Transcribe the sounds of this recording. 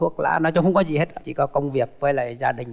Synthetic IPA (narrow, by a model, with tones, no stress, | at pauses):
u˦˥ək̚la̰ː˧˥nɔ˨˦t͡ɕɔ˨˦ŋ͡mxə˧˦ŋ͡mkɔ˨˦zi˨˩he˦˥ə˧˩t͡ɕḭ˧˨kɔ˨˦kə˧wŋ͡mvi˨˩ək̚və˨˦jlaː˨˩zaː˧ɗï˨˩ŋ̟